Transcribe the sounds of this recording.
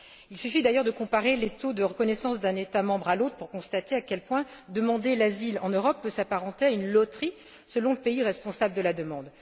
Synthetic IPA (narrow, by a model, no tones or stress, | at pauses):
ilsyfid̪ajœʁd̪əkɔ̃paʁelet̪od̪əʁəkɔnɛsɑ̃sd̪ɛ̃net̪amɑ̃bʁalot̪χə̥puʁkɔ̃st̪at̪eakʲɛlpwɛ̃d̪əmɑ̃d̪elazilɑ̃nøʁɔpːøsapaʁɑ̃t̪eaynlɔt̪χi | səlɔ̃ləpeiʁɛspɔ̃sabləd̪əlad̪əmɑ̃d̪